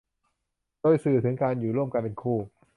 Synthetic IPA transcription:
doː˧jsɯː˨˩t̪ʰɯ˩˦ŋkaː˧njuː˨˩ɾu˥˩əmka˧npe˧nkʰuː˥˩

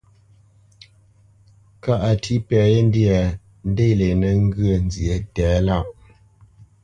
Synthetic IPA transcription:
ka˦ʔa˨tʰi˦pɛ˨˦je˦n̩˦dja˨ | n̩˦de˦˨le˨nə˦ŋ˦ɡə˦˨n˦zje˨˦tɛː˨˦la˦˨ʔ

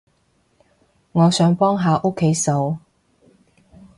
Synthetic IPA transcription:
ŋɔː˨˧sœː˨˥ŋpɔː˥ŋɦaː˨˧ʔo˥kʰːe˨˥jso˨˧w

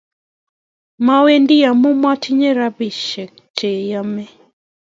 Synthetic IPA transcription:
ma˦we˦ndɪ˦ja˨mu˦mwa˦ti˦ɲe˦ɾa˦bɪ˨ʃɛ˨k̚ | tʰe˨ja˦mɛ˦

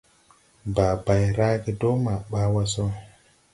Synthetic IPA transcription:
ba˨ba˨jɾa˦ki˨do˦ma˨ɓa˦wa˦so˦

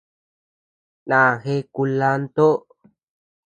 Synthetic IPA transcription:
nã˨xe˧ku˧la˧nt̪o˦

